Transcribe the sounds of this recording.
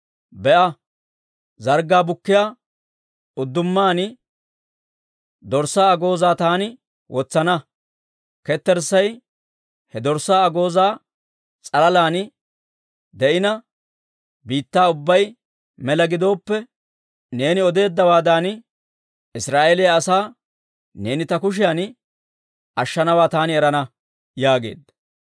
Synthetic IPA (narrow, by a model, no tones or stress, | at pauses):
bɛʔɐ | zɐɾɡaːbʊkːɪjaː | ʊd̪ːʊmːaːnɪ | d̪ɔɾsaːɐɡo̞ːzaːt̪aːnɪ | wʔɔt͡sːɐnɐ | kɛt̪ːɛɾsɐj | hɛd̪ɔɾsaːɐɡo̞ːzaː | t͡sʼɐlɐlaːnɪ | d̪ɛʔɪnɐ | biːt̪ːaːʊbːɐj | mɛlɐɡɪd̪o̞ːpːɛ | ne̞ːnɪɔd̪e̞ːd̪ːɐwaːd̪aːn | ɪsɾaːʔelɪjɐːsaː | ne̞ːnɪt̪ɐkʊʃ̬ɪjan | ʔɐʃːɐnɐwaːt̪aːnɪɛɾɐnɐ | jaːɡe̞̰ːd̪ːɐ